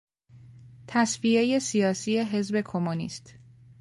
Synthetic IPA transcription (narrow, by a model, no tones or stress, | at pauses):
t̪ʰæsvie̞je̞sijɒːsije̞ɦe̞zbe̞kʰomunḭːst̪